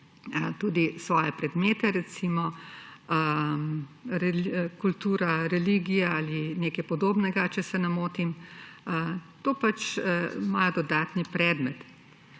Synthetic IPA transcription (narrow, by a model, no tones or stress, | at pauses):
t̪uːd̪isʋɔːjɛpɾɛd̪meːt̪ɛɾɛt̪simɔ | ɾɛkult̪uːɾaɾɛliːɡijaaːlineːkajpɔd̪oːbnɛɡat͡ʃɛsɛnamoːt̪imət̪oːpat͡ʃmajɔd̪ɔd̪aːt̪nipɾɛːd̪mɛt̪